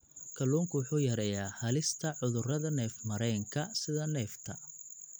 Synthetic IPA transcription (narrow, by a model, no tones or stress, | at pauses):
kʰɐluːŋkʰʊwʊħuːjɐɾɛjaːhɐlɪst̪ʰɐʕʊðʊrɐðɐnɛːfmɐɾɛːŋkʰɐsɪðɐnɛːft̪ʰɐ